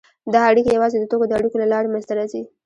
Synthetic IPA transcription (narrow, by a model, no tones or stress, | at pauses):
d̪aaɽikojawɑzed̪ət̪okod̪əaɽikolalɑɾemənzt̪aɾɑzi